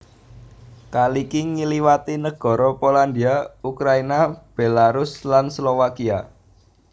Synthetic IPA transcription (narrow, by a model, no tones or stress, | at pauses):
kalikiŋiliwat̪inəɡ̥ɔ̤ɾɔpoland̪iaukɾainab̥elaɾʊslanslowakia